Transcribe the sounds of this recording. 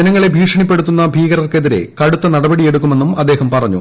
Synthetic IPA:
d͡ʑɐnɐŋːɐɭe̞bʱiːʂɐɳipːe̞ɽut̪ːunːɐbʱiːɣɐɾɐrke̞ðiɾe̞̰kɐɽut̪ːɐnɐɽɐbɐɽie̞ɽuk̬ːume̞nːumɐd̪ːe̞ːhɐmpɐrɐɲːṵ

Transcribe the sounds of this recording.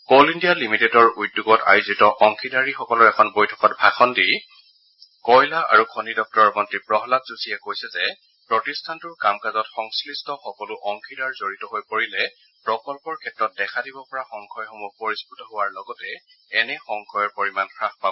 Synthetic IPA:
kolindijalimitedɔɹujduɡɔta̰jzitɔʔɔŋkʰidaɹixɔkɔlʊɛkʰɔnbojtʰɔ̥kɔtbʱaxʰɔndi | kɔjlaa̰ɹukʰonidɔk̚tɔɹɔmɔntɹipɹɔɦɔlakz̥usiɛkojsɛzɛ | pɹɔtistʰantʊɹkamkazɔtxɔŋslistʰɔxɔkɔlʊʔɔŋkʰidaɹzoɹitɔɦojpoɹilɛ | pɹɔkɔlpɔɹkʰɛtːɹɔt̚dɛkʰadibɔpɔɹaxɔŋkʰɔjxɔmupoɹisputɔɦowaɹlɔɡɔtɛ | ɛnɛxɔŋkʰɔjɔɹpoɹimankʰɹaxpab

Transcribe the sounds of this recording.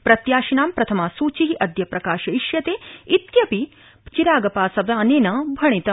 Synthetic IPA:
pɾɐt̪jaːʃinaːmpɾɐt̪ʰɐmaːsuːt͡ʃiɦiʔɐd̪ʱjɐpɾɐkaːʃɐiʃjɐt̪eːit̪jɐpi | t͡ʃiɾaːɡɐpaːsɐʋjaːneːnɐbʱɐɳ̃it̪ɐ

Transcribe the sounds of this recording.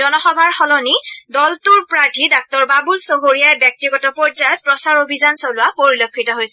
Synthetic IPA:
ɔnɔxɔbʱaɹxɔlɔnidɔltuɹpɹatʰidɔk̚tɔɹbabulsoɦoɹijajbjɔk̚tiɡɔtɔpɔd͡ʒajɔt̚pɹɔsaɹobʱizansolʊapoɹilokʰːitɔɦojsɛ

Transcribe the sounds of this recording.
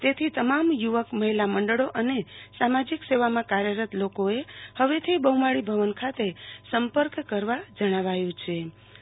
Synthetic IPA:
t̪et̪ʰit̪əmamjuʋəkməɦilaməɳɖəɭoʔənesamad͡ʒikseʋamãkaɾjəɾət̪lokoehəʋet̪ʰibəɦumaɽibʱəʋənkʰat̪esəmpəɾkːəɾʋad͡ʒəɽ̃aʋajũt͡ʃʰe

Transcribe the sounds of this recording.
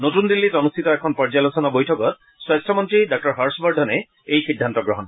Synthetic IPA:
notund̪ilːitɔnust̪ʰitɔɛkʰɔnpɔɹd͡ʒalosɔnabojtʰɔkɔt̚ | swastʰɔmɔntɹidak̚ɔɹɦaɹsbɔɹdʱɔne | ejxidʱːantɔɡɹɔɦɔn

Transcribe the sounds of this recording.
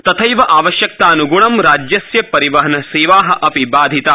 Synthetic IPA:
t̪ɐt̪ʰɐjʋɐʔaːʋɐʃjɐk̚t̪aːnuɡuɳɐmɾaːd͡ʒjɐsjɐpɐɾiʋɐɦɐnɐseːʋaːɦɐ̆ʔɐpibaːd̪ʱit̪a

